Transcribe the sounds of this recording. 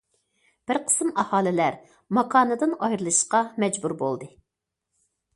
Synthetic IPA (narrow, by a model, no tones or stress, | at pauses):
b̥ɪɾqʰə̥smɑhɑːlɪlæɾ | mɑkʰɑːnɨd̪ɨnɑjɾɨlˠʃʃqɑmɛd͡ʒbuɾbo̰lˠd̪ɨ